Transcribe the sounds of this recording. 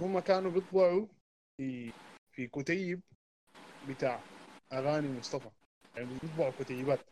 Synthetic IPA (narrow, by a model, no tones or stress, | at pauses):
hʊmːakaːnubɨt̪ˤbɑʕu | fifikʊt̪ajːɪb̚ː | ɪt̪aːʕʔaɣaːnimʊsˤt̪ˤɑfɑ | jaʕnibbɨt̪ˤbɑʕukʊt̪ajːɪbaːt̪